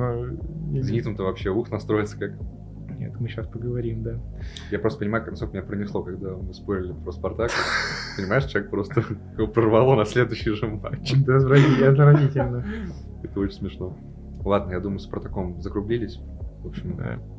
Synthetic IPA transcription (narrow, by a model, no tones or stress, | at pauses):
no | zʲɪnʲit̪əmt̪əvɐpɕːeuxnɐst̪ɾo̞jɪt̪sə̥kak | nʲḛt̪mɨɕaspəɡəvɐɾʲimd̪a | japɾost̪əpənʲɪmajʊknɐskokəɪnʲapɾənʲɪslˠo̞kɐɡ̚d̪amɨspo̞ɾʲɪlʲɪpɾəspɐrt̪akpənʲɪmaɪʂt͡ɕʲek̚pɾo̞st̪əkpɾərvɐlˠonɐsʲlʲe̞d̪ʊɕːɪjʐɨma̰t͡ɕːɪzvɾɐiɐzəɾɐvʲitʲɪlʲnə | ɛt̪əot͡ɕɪnʲsmʲɪʂno̞ | lˠad̪nəjad̪uməjʊspɐɾt̪ɐkomzəkɾʊblʲilʲɪsʲ | vopɕʲɪmda̰